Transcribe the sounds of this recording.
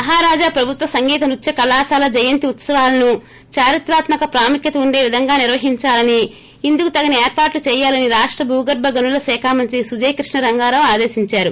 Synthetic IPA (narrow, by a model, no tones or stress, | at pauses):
mɐɦaːɾaːd͡ʒaːpɾɐbʱut̪ʋɐsɐŋɡiːt̪ɐnut͡ʃːɐkɐlaːsaːlɐd͡ʒɐjɐnt̪iut̪sɐʋaːlɐnu | t͡ʃaːɾit̪ɾaːt̪mɐkɐpɾaːmukjɐt̪ɐuɳɖe̞ːʋid̪ʱɐŋɡaːniɾʋɐɦiɲt͡ʃaːlɐniː | nd̪ukut̪ɐɡɐnɐeːɾpaːʈlut͡ʃɛːjaːlɐniɾaːʂʈɾɐbʱuːɡɐɾbʱɐɡɐnulɐsɛːkʰaːmɐnt̪ɾisud͡ʒɐjkɾiʂɳɐɾɐŋɡaːɾɐmaːd̪eːsiɲt͡ʃaːɾu